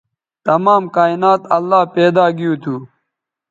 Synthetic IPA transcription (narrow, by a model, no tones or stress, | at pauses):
t̪ɐmaːmkaːinaːt̪ɐlːaːpeːd̪aːɡijuːt̪ʰuː